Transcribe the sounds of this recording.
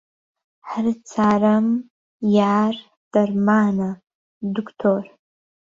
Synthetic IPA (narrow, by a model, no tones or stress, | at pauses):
ħrɨt͡sʰaram | jar | d̥armana | dukʷʰtʰor